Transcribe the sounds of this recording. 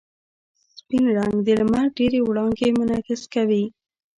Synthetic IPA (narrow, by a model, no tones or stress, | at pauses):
spinɾaŋɡd̪elmaɖeɾewɽɑŋɡemʊnɑkɪskawi